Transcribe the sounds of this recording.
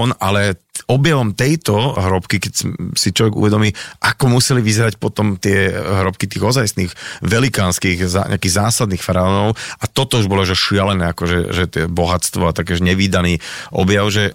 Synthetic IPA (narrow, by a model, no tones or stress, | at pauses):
ɔnalɛɔbjaʋɔmt̪ɛjt̪ɔɦɾɔpkikɛcssit͡ʃlɔʋɛɡṵʋɛd̪ɔmiːʔakɔmusɛliʋizɛɾacpɔt̪ɔmt̪ɪɛɦɾɔp̚kit̪iːɣɔzajsniːɣʋɛlikaːnskiːɣza̰ɲʔa̰akiːɣzaːsad̪niːxfaɾaɔnɔʊʔat̪ɔt̪ɔuʒbɔlɔʒɛʃɪalɛnɛːakɔʒɛ̰ʒɛt̪ɛbɔɦatt͡st̪ʋɔat̪akɛːʒɛɲɛʋiːd̪aniːʔɔ̰bjaʊʒɛ